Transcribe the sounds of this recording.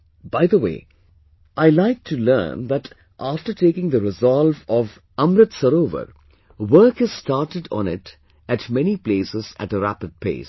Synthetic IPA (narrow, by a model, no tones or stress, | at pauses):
baɪðəwḛː | ʔaɪlaɪk̚ʈʰulɜ̰ːnðæʈ | ʔaːfʈəɾʈeːkɪ̃ŋd̪əɾɪzɔlvɔv | ʌ̃mɾət̪səɾoːʋə̰ɾ | wəɾkɨzstaːʈəɖɔ̰̃nɪ̰t | æʈmɛnipleːsɪzæ̰ʈəɾæ̰pɨd̚pʰḛɪs